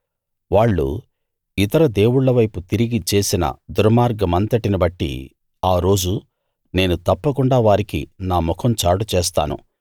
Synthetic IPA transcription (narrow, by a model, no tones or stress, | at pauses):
ʋaːɭːṵ | it̪ɐɾɐd̪e̞ːwuɽːɐʋɐjput̪iɾiɡit͡ʃe̞ːsinɐ̰d̪uɾɐmaːɾɡɐmɐnt̪ɐʈinibɐʈːḭ | aːɾo̞ːd͡ʒu | ne̞ːnut̪ɐpːɐkuɳɖaːʋaːɾikḭnaːmɔkʰɐmt͡ʃaːɽut͡ʃeːst̪a̰ːnṵ